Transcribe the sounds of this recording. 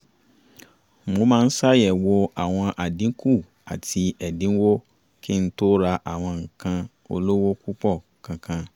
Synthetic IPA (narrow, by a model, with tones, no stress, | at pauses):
mo˧˦mãː˦˧n̩˦sa˦jɛ˨wo˧a˨w̃ɔ̃˧ʔa˨dĩ˨˦ku˦˨ | a˨ti˧ɛ˨dĩ˨˦wo˦ | ki˦n̩˦to˦ɾa˧ʔa˨w̃ɔ̃˧ŋ̩˨kã˧ | o̰˧lo˦wo˦ku˦k͡pɔ˦˨ | kã˨˧kã˧